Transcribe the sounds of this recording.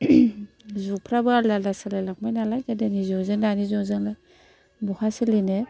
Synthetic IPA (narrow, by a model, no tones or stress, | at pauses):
zupʰɾabaalalasalalak̚majnalajkadenizɔzeŋnanizɔŋzɯŋla | buhasiline